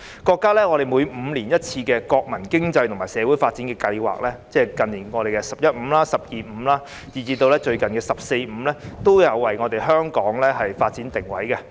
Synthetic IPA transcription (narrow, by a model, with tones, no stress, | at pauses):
kɔː˧kːaː˥lɛː˥ŋɔ˨˧ɾe˨jmuː˨˧jm̩ː˨˧liː˨˩njɐ˥t̚t͡sʰiː˧kɛː˧kɔː˧k̚mɐ˨˩nkɪ˥ŋt͡sɐ˧jt̪ʰʊ˨˩ŋmaː˨˩sɛː˨˧wuː˨˥jfaː˧t̚t͡siː˨˥nkɛː˧kɐ˧jwa̰ː˨k̚lɛː˥t͡sɛː˥˩kɐ˨nːiː˨˩nŋɔː˨˧ɾe˨jkɛ˧sɐ˨p̚jɐ˥t̚m̩ː˨˧mlaː˥sɐ˨p̚jiː˨m̩˨˧laː˥ | jiː˨˩t͡siː˧t̪o˧wlɛː˥t͡ʃɵ˧ɥkɐ˨˩nkɛː˧sɐ˨p̚se˧jm̩˨˧lɛː˥t̪o˥wjɐ˨˧wːɐ˨˩jŋɔː˨˧t̪e˨˩jɦœː˥ŋkɔː˨˥ŋlɛː˥ɦɐ˨jfaː˧t̚t͡siː˨˥nt̪ɪ˨˩ŋwɐ̰˨˥jkɛ˧